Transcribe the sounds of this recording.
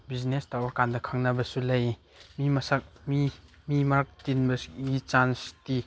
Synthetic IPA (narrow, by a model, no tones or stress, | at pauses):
biznestawakandɐkʰaŋnabɐsulaj | mimɐsak̚mi | mimaɾk̚tinbɐsuit͡ʃansti